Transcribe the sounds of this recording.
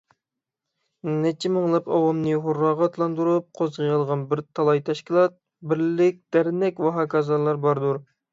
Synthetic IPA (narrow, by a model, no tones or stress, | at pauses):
nɛt͡ʃʰimɨŋlˠɑpɑwɑmnɨɦoɾːɑːʁɑt̪ʰlˠɑnd̪uɾup̚qʰozʁʰɨjɑlˠʁɑnbɪɾt̪ʰɑlˠɑjt̪ʰɛʃkʲilˠɑt̪̚ | bɪɾlɪk̚ʲd̪̥æɾnɛkʲwɑɦɑːkɑzɑlˠɑɾbɑɾd̪uɾ